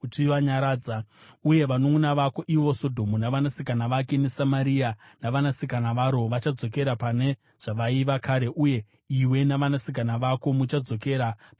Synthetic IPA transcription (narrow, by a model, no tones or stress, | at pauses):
utiʋaɲaɾaːd͡zauje̞ʋanounaʋako̞ʔiʋo̞so̞dʱo̞munaʋanasikanaʋake̞ne̞samaɾia | naʋanasikanaʋaɾo̞ʋat͡ʃad͡zo̞k̬e̞ɾapane̞ | ʐ̥aʋaiʋakaːɾe̞ʔuje̞ | iwe̞naʋanasikanaʋako̞mut͡ʃad͡zo̞ke̞ɾap